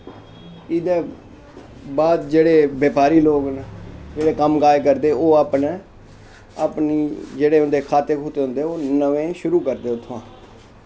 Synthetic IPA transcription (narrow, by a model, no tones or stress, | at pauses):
ɪd̪eː | baːd̪d͡ʒeːɽeːbjeːpaːɾiːloːɡnd͡ʒeːɽeːkəmkaːekəɾd̪eːoːaːpne | apniːd͡ʒeːɽeːʊnd̪eːkʰaːt̪eːkʰuːt̪eːɦʊ̃nd̪eːoːnəʋẽːʃʊɾuːkəɾd̪eːʊt̪ʰːãː